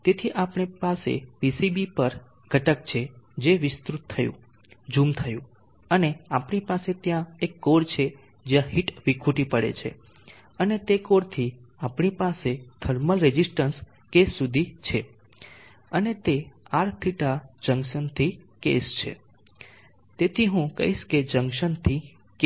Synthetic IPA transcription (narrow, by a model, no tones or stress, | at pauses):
t̪et̪ʰiʔapɳipasḛbisibipəɾ | ɡ̥ʱəʈəkt͡ʃʰed͡ʒeʋɪst̪ɾut̪ʰːəjṵ̃ | d͡ʒũmt̪ʰəjṵ̃ | əneapɳipaset̪jãekːoɽt͡ʃʰe | d͡ʒjãɦiʈʋikʰuʈipəɽḛt͡ʃʰḛ | ənet̪ekoɽt̪ʰiapɳipaset̪ʰəɾməlɾed͡ʒisʈəns | kesːud̪ʱit͡ʃʰe | ənet̪eaɽt̪ʰiʈad͡ʒəŋɡʃənt̪ʰikḛst͡ʃʰḛ | t̪et̪ʰiɦũkə̰ɦiʃked͡ʒə̃ŋkʃənt̪ʰi | k